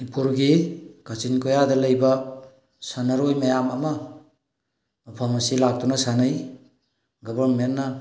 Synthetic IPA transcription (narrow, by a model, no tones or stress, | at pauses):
ipuɾɡikʰat͡ʃinkojadɐlɐjbɐ | sanɐɾojmɐjamɐmɐ | mɐpʰɐmɐsilak̚tunɐsanɐj | ɡɔbaɾmenːɐ